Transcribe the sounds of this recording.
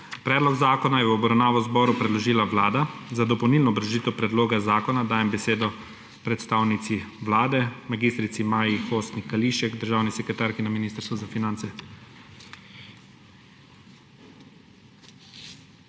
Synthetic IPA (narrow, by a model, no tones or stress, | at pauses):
pɾɛːd̪lɔɡzaːkɔnajɛwɔbɾɐwnaːʋɔzbɔːɾupɾɛd̪lɔʒiːlaʋlaːd̪azad̪ɔpɔwniːlnɔbɾɐʒiːt̪ɛwpɾɛd̪loːɡazaːkɔnad̪aːjɛmbɛseːd̪ɔ | pɾɛt̪st̪aːwnit̪siʋlaːd̪ɛmaɡiːst̪ɾit̪simaːjixoːst̪nikaliʃɛɡd̪əɾʒaːwnisɛkɾɛt̪aːɾkinaminist̪əɾst̪ʋɔzafinant̪sɛ